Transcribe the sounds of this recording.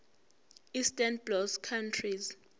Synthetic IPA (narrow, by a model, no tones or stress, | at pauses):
istʼanblɔskʰantʰriz